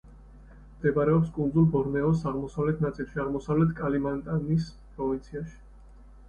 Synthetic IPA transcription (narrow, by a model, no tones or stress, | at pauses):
md̪̥ɛbaɾɛɔpskʼund̪zulˠbɔɾnɛɔsaʁmɔsavlɛt̪ʰnat̪sʼilˠʃiaʁmɔsavlɛt̪ʰkʼalimant̪ʼanis | pʼɾɔvint̪sʰiaʃi̥